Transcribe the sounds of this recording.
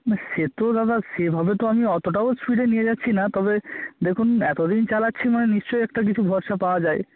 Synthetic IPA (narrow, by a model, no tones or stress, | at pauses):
naʃet̪od̪ad̪aʃebʱabet̪oamiɔt̪oʈ̬aosfiʈenijed͡ʑatːɕʰinat̪ɔbed̪ekʰunɛt̪od̪int͡ɕalatːɕʰimaneniʃt͡ɕojɛk̚ʈak̬it͡ɕʰubʱɔɾʃapaoad͡ʑae